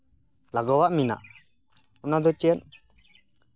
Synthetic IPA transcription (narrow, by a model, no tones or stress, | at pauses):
laɡɔwaʔmina̰ʔ | unad̪ɔt͡ʃɛɛn